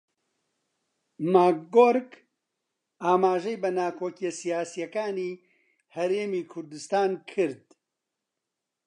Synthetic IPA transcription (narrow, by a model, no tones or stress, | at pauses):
maːkːoːɾk | aːmaːʒɛjbɐnaːkʰoːkijesijaːsijɐkaːniː | hɐɾeːmiːkʰʊɾd̪ɨst̪aːnkʰɨɾd̪